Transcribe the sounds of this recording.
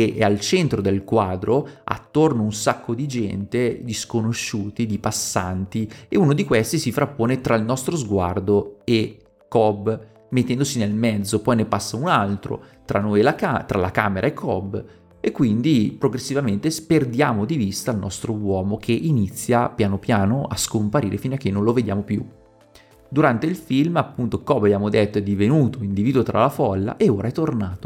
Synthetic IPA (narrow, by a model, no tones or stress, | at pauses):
eʔɛalt͡ʃɛnt̪ɾod̪elkwaːd̪ɾoa̰t̪ːornounsakʰːod̪id͡ʒɛ̰nt̪ed̪iskonoʃːuːt̪id̪ipasːant̪ieunod̪ikwest̪isifɾapːoːnet̪ɾailnɔst̪ɾozɡwa̰rd̪oe | kːɔb | met̪ːɛnd̪osinelmɛd̪zːopɔjnepasːaunalt̪ɾo̰t̪ɾa̰nːojelakat̪ɾala̰kaːmeɾʔaekʰːɔb | ekːwind̪ipɾoɡɾesːivament̪esperd̪jaːmod̪ivist̪aːlnʔɔst̪ɾowɔːmokʰeʔinit̪sːjapjaːnopjaːnoʔa̰skompaɾḭːɾefinoakːenːõnloved̪ja̰ːmopjṵ | d̪uɾant̪eilfilmapːunt̪okɔbːabjaːmod̪et̪ːoɛd̪ivenuːt̪oind̪iviːd̪uwot̪ɾʔa̰lafɔlːa̰ʔeoːɾʔaɛt̪ːornaːt̪o̥